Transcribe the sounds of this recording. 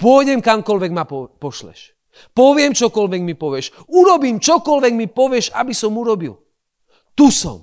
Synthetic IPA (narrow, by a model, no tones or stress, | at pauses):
pɔjɟɛmkamkɔlʋɛɡmapɔpɔʃlɛ̰ʃ | pɔʋɪɛmt͡ʃɔkɔlʋɛɡmipɔʋjɛʃ | uɾɔbiːmt͡ʃɔkɔlʋɛɡmipɔʋɛʃabisɔmuɾɔbḭl | t̪usɔ̰m